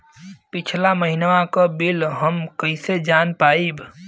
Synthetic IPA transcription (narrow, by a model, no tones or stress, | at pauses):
pɪt͡ʃʰlaməɦinʋãkəbilɦəmkəised͡ʒaːnpaːib